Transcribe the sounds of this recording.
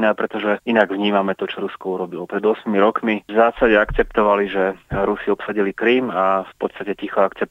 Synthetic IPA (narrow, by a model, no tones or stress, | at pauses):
nɛːpɾɛt̪ɔʒɛinaɡʋɲiːmamɛt̪ɔt͡ʃɔɾuskɔuɾɔbilɔpɾɛd̪ʊɔsmimiɾɔkmizaːsaɟɛakt͡sɛpt̪ɔʋaliʒɛɾusiɔpsaɟilikɾiːmafpɔt̪st̪acɛcixɔakt͡sɛp̚